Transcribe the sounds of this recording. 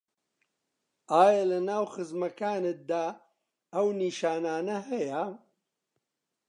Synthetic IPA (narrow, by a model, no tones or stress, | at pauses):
aːjɐlɐnaːwxɨzmɐkaːnɪt̪̚d̪aː | ɐwniʃaːnaːnɐɦɐja